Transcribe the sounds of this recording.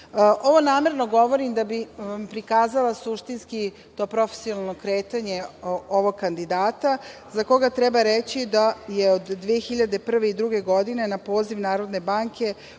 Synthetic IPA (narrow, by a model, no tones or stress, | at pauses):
ʔo̞ʋo̞naːme̞ɾno̞ɡo̞ʋo̞ɾimd̪abipɾikaːzalasuʃt̪inski | t̪o̞pɾo̞fe̥sionalˠno̞kɾeːt̪aɲe̞oʋo̞ɡ̚kːand̪id̪aːt̪azako̞ɡat̪ɾebaɾet͡ɕid̪ajeod̪ːʋeexiʎad̪e̞pr̩ʋe̞id̪ɾuɡe̞ɡo̞d̪ine̞napo̞ːziʋnaːɾo̞d̪ne̞baːŋkʰe̞